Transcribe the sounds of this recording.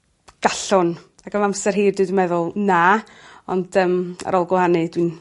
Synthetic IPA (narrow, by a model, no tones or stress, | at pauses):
ɡ̥aɬʊn | akəmamsɛrɦiːrdɪwdimɛðʊlˠna | ɔ̰nd̥əːma̰ɾɔlˠɡwɛhanɨdwin